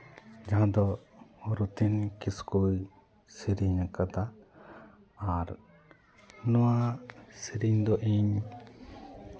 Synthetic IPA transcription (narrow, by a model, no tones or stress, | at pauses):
d͡ʒaɦãd̪ɔɔɾut̪inkiskuj | siɾiɲakat̪a | ɾ | nɔwasiɾiɲd̪ɔʔiɲ